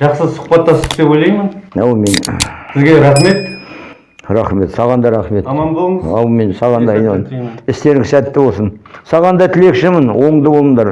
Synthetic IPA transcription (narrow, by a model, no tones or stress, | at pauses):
ʒ̥ɑqsəsʊ̥χpɑt̪ːɑsɪt̪ebojlʲejmɪnowme̞nsɪzɡʲeɾɑχme̞t̪ | ɾɑχme̞t̪sɑʁɑnd̪ɑɾɑχme̞t̪mɑmbolˠɴɑwmensɑʁɑnd̪ɑjnɑnɪst̪e̞ɾɪŋsæt̪ːɪwosənsɑʁɑnd̪ɑt̪ʰɪle̞kʃɪmɪnwo̞ɴd̪əbo̞lˠənd̪ɑɾ